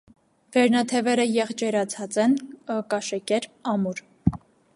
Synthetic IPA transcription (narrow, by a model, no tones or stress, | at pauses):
vɛɾnɑt̪ʰɛvɛɾəjɛʁt͡ʃɛɾɑt͡sʰɑt͡sɛnkɑʃɛkɛɾɑmuɾ